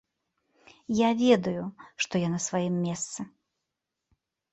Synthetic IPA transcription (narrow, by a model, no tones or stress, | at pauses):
javʲɛd̪ujʊʂt̪ɔjanɐsvajimːʲɛst̪sɨ